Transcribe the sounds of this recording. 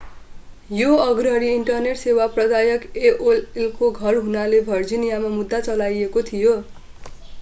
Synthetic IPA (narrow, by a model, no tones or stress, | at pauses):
joʌɡrʌɾiːɳʈʌrneʈsewaprʌd̪ajʌkeʔollkoɡʱʌrɦunalebʱʌrd͡zinijamamud̪ːat͡sʌlajekot̪ʰijo